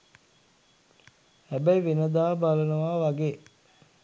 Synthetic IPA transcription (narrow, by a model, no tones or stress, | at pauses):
hæbæiʋenəd̪aːbalənəʋaːʋaɡeː